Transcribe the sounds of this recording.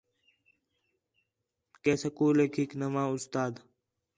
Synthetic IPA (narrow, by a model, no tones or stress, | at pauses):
keːsəkuːleːkʰiːknəmãːʊst̪aːd̪